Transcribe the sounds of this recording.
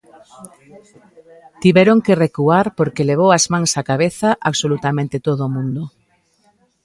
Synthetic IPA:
t̪iβɛɾoŋkerekuaɾpoɾkeleβ̞owazmãŋsakaβ̞eθaʔaβsolut̪amẽnt̪ɪt̪oðʊmũnd̪o

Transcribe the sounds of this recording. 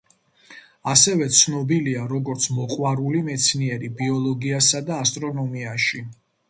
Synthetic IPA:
asɛvɛt̪sʰnɔbiliaɾɔɡɔɾt̪sʰmɔqʼwaɾulimɛt̪sʰniɛɾibiɔlˠɔɡiasad̪aːst̪ʼɾɔnɔmiaʃi

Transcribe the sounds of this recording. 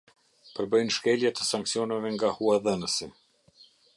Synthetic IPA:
pəɾbəjnʃkɛljat̪əsaŋksjɔnavɛŋɡahuaðənəsi

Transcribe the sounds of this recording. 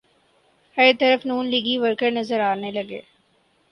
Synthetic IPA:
həɾt̪ɐɾəfnuːnliːɡiʋəɾkəɾnɐzəɾaːnelɐɡḛː

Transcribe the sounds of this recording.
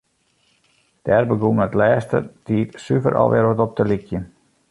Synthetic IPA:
d̥ɛrbəɡuməətlɛːstə̰dʰiːtsyvə̰ɾʔɔ̰lˠʋʔɪ̰ɾʋətɔp̚təlikjən

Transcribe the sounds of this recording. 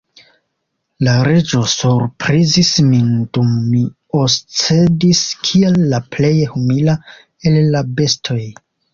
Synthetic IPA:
laɾe̞d͡ʒo̞suɾpɾizismindumːi | ost͡sediskʰielːaple̞jhumila | e̞lːabe̞stʰo̞j

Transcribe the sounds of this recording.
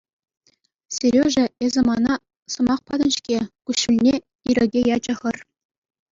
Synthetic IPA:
sʲiɾʲeʐɘ̆ezʲɘ̆mɑnɑ | sɤ̆mɑχpɑd̪ɤ̆nɕkʲekʲuɕːɘlʲnʲe | iɾʲɘ̆ɡʲejɑd͡ʑɤ̆χɤ̆r

